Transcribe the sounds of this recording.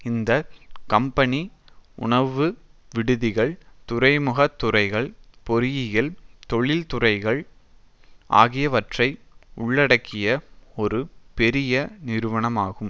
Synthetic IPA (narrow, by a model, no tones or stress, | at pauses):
ɪnd̪ɐkɐmpɐniʊ̰ɳɐʋɯʋɪɽɯðɪɣɐɭt̪ʊrɐɪmɯɣɐt̪ːʊrɐɪɣɐɭpɔɾɪjɪjɪlt̪ɔɭɪlt̪ʊrɐɪɣɐɭ | ʔa̰ːɣɪjɐʋɐʈrɐɪʊɭːɐɽɐkʰːɪjɐɔɾɯpɛɾɪjɐnɪɾɯʋɐɳɐmaːɣɯm